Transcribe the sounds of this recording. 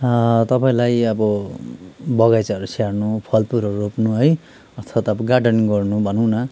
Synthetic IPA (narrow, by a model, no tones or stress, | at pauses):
t̪ʌpaĩlajʌbʌ | bʌɡajt͡saʌɾusʰarnupʰʌlpuɾʌɾuropnuɦʌj | ʌt̪ʰat̪ʌbʌɡarɖʌnɡʌrnubʱʌnʌw̃nʌ